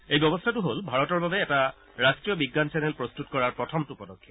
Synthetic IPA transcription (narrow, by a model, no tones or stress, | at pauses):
ejbjɔbɔstʰatʊɦolbʱaɹɔtɔɹbabɛːta | ɹastɹijɔbiɡːansɛnɛlpɹɔstutkɔɹaɹpɹɔtʰɔmtupɔdɔkʰːiɔ